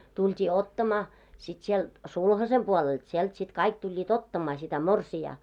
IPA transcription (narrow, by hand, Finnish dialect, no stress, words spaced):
tultʲiː otːɑmɑː sit sielt sulhɑsem puolelt sielt sit kɑik tulʲːiːt otːɑmɑː sitæ morsiɑː